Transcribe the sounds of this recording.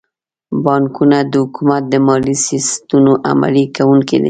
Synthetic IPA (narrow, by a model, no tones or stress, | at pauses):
bɑŋkunad̪əhʊkumat̪̚d̪əmɑlisist̪unoʔa̰ma̰likawuŋked̪ḛ